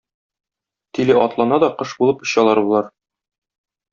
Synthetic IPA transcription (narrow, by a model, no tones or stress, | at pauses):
t̪ilɘʔɒt̪lˠɑnɑd̪ɒqɤʃbulˠɤpŏɕɑlˠɑɾbulˠɑɾ